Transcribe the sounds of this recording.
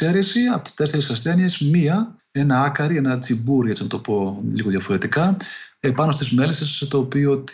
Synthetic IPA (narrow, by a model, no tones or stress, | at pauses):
e̞ɾesiɐpot̪i̥st̪e̞sθeɾesɐsθe̞niesmiɐ | e̞nɐɐkɐɾie̞nɐt͡sibuɾie̞t͡sinɐt̪o̞po̞liɣo̞ðjʝɐfo̞ɾe̞t̪ikɐepɐnost̪izme̞lesesoset̪opio̞t̪